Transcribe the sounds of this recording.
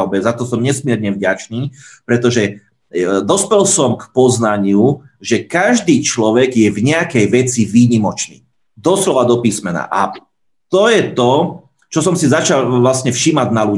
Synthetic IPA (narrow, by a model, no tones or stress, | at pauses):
ʊbɛzat̪ɔsɔmɲɛsmɪɛɾɲɛvɟat͡ʃniːpɾɛt̪ɔʒɛ | d̪ɔspɛlsɔmkpɔznaɲɪuʒɛkaʒd̪iːt͡ʃlɔʋɛɡjɛvɲɛakɛjʋɛt͡siʋiːɲimɔt͡ʃnḭː | d̪ɔslɔʋad̪ɔpiːsmɛna̰ʔa | t̪ɔjɛt̪ɔ | t͡ʃɔsɔmsizat͡ʃalʋlasɲɛfʃiːmaɟnalu